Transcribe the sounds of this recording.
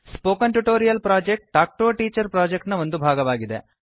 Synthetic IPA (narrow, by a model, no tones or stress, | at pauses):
spoːkɐnʈuʈoːɾijɐlpɾaːd͡ʒek̚ʈ̚ːaːk̚ʈoːʈiːt͡ʃɐɾpɾaːd͡ʒek̚ʈnɐo̞nd̪ubʱaːɡɐʋaːɡid̪ḛ